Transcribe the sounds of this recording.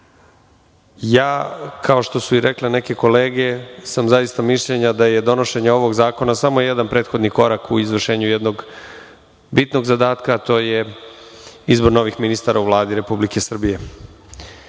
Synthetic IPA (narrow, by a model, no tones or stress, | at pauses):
jaːkʰao̞ʃt̪o̞suiɾʔekle̞ne̞ke̞ko̞leːɡe̞samzajist̪amiʃʎeɲad̪aje̞d̪o̞no̞ʃe̞ɲao̞ʋo̞ɡzaːko̞nasamo̞jed̪anpɾeːt̪xo̞d̪niko̞ɾakuizʋr̩ʃe̞ːɲujed̪no̞ɡ | bit̪no̞ɡzad̪aːt̪kaːt̪o̞ːje | izbo̞ɾno̞ːʋixminist̪aɾʔauʋlˠaːd̪iɾe̞publike̞sr̩bije̞